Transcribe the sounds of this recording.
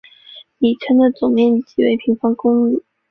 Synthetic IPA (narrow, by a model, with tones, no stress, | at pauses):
ni˨˩ʈ͡ʂʰə˧˥nd̪ə˨t͡sʊ˨˩ŋmjɛ˥˩nt͡ɕi˨˩we˧˥ɪpʰi˧˥ŋfɑ˥ŋkʊ˥ŋli˨˩˦